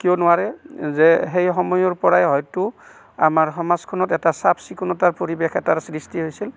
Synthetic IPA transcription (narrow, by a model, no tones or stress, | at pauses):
kijɔnʊwaɹɛzɛɦejɦɔmɔjɔɹpɔɹajɦɔjtʊ | a̰maɹxɔmazkʰɔnɔtɛtasapsikʰunɔtaɹpoɹibexɛtaɹsɹistiɦojsil